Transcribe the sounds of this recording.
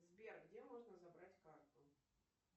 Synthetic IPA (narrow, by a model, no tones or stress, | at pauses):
zbʲerɡdʲemoʐnəzɐbɾatʲkart̪ʊ